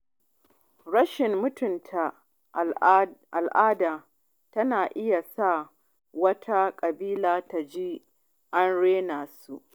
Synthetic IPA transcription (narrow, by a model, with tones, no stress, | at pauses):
ɽɐ˦ʃɪ˨mːʊ˦tʊ˨ntʰa˨ | ʔa˨lʔaː˦daː˨ | tɐ˦naː˨ʔɪ˦ja˨sa˦˨ | wɐ˦tʰa˦kʼɐ˨biː˦laː˦ta˨d͡ʒi˦ | ʔa˦nɽeː˦naː˨su˦ʔ